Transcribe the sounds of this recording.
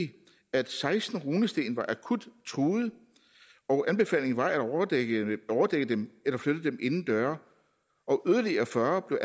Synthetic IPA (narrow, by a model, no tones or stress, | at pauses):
æd̥sɑ̈ɪsd̥n̩ʁuːnəsd̥e̝̰ːnʋɑ̈ʔækʰud̥t͡sʰʁuːð̩ˠ | ɒʊʔænb̥e̝fɛ̰ːle̝ŋnʋɑ̈æ̥ | ɒʊɐd̥eɡ̥ə̥emelɐfløɾ̥ð̩ˠd̥emʔe̝nn̩d̥ɶːɐ | ʔɒ̽ʔøðˠɐliɐfɶɐb̥le̝ʊʔæ